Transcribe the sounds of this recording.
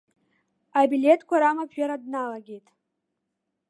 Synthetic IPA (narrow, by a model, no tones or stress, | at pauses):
abile̞tʰkʷʰaɾamapʰɥaɾadnalaɡʲe̞jtʼ